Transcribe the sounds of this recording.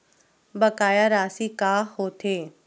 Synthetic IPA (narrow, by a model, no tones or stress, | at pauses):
bɐkaːjaɾaːsikaːɦoːt̪ʰeː